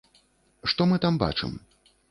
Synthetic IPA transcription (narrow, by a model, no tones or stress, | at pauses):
ʂt̪ɔmɨt̪amba̰t͡ʂɨ̰m